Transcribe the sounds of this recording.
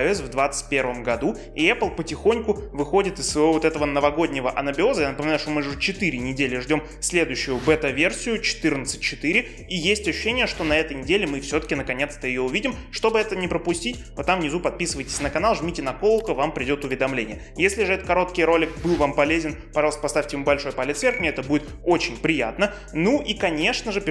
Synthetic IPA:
ɛs̬vd̪vat̪sɨ̥t̚ʲpʲervəmɡɐd̪u | iɛplˠpətʲɪxo̞nʲkʊvɨxo̞dʲɪt̪ɪsːvovot̪ɛt̪əvənəvɐɡo̞dʲnʲɪvəʔɐnəbʲɪo̞zəjanəpəmʲɪnajʊʂt̪omɨʐʐɨt͡ɕɪt̪ɨɾʲɪnʲɪdʲelʲɪʐdʲo̞m | sʲlʲe̞d̪ʊjɕːʊjʊbɛt̪ɐvʲe̞rsʲɪjʊt͡ɕɪ̥t̪ɨrnət̪sɨ̥t̚ʲt͡ɕɪt̪ɨɾʲɪ | ijesʲtʲɐɕʉʊ̥ɕːenʲɪjəʂt̪o̞nɐɛt̪əjnʲɪdʲelʲɪmɨfsʲot̪ə̥kʲɪnəkɐnʲe̞t̪st̪əɪjoʊvʲidʲɪmʂt̪o̞bɨɛt̪ənʲɪpɾəpʊsʲtʲitʲvot̪ːavnʲɪzupɐt̪̚pʲisɨvəjtʲɪ̥sʲnəkɐnalˠʐmʲitʲɪnɐko̞lˠkəvampɾʲɪdʲo̞t̪ʊvʲɪd̪ɐmlʲenʲɪjə | jesʲlʲɪʐɨɛt̪ət̪kɐɾo̞t̪kʲɪjɾo̞lʲɪk̚bɨlˠvampɐlʲezʲɪnpɐʐɑlˠəst̪əpɐst̪afʲtʲɪjɪmubɐlʲʂo̞jpɐlʲɪt̪sʲvʲerkmʲɪɛt̪əbudʲɪt̪ | ot͡ɕɪnʲpɾʲɪja̰t̪nə | nuʔikɐnʲe̞ʂnəʐɨp

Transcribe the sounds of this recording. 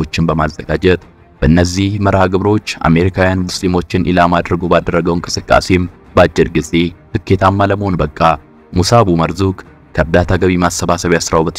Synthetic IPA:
ot͡ʃːɪnbəmazːəɡad͡ʒɛt̪ | b̥əʔɨnːəzːihməɾaɡɨβɾo̞t͡ʃːa̰me̞ɾikʰawjanmuslimo̞t͡ʃːɪnʔɪ̰lamad̪ɾəɡo̞bad̪ərːəɡəwŋkʼɨ̥sɨkʼːa̰se̞m | bat͡ʃʼːɪɾɡɨze̞t̪ɨkʰːe̞t̪ʰamːaləməhonbəkʼːa | musaβuməɾzuk | kʰəβd̪at̪ʰaɡəβimasːəβasəβjasɾawbət̪ʰ

